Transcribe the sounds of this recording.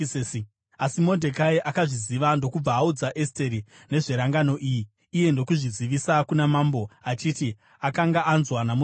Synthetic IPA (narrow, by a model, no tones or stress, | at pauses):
asimo̞ndʱe̞kaiʔakaʐiziʋando̞kub͡vaːud͡zaʔeste̞ɾi | ne̞ʐe̞ɾaŋɡano̞ʔiːjiː | je̞ndo̞kuʐiziʋisakunamaːmbo̞at͡ʃiti | akaŋɡaʔːnzwanamu